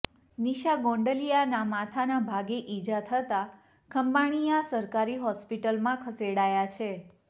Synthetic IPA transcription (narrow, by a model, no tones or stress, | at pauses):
niʃaɡõɳɖəlijanamat̪ʰanabʱaɡeʔid͡ʒat̪ʰət̪a | kʰəmbaɽ̃ijasəɾkaɾiɦɔspiʈəlmãkʰəseɽajat͡ʃʰe